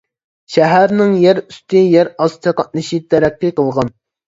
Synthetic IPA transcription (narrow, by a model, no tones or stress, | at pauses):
ʃæɦæɾnɪŋjæɾyst̪ɪjɛɾɑst̪ʰɑqɑt̪̚lɨʃit̪ʰæɾɛkʲːiqəlˠʁɑn